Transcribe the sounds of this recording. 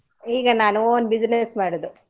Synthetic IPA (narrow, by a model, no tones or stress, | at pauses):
iːɡɐnaːnuoːnbid͡ʒnesmaːɽud̪u